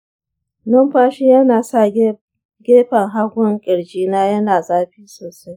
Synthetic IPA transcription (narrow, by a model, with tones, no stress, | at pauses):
nɐ˦mɸaː˦ʃi˦jɐ˦naː˨sa˦˨ | ɡʲeː˦ɸɐ˨ŋɦa˦ɡʷʊ˦ŋkʲʼɪ˨ɽd͡ʒiː˦naː˦jɐ˦naː˨zaː˦ɸiː˦soː˨sa˦j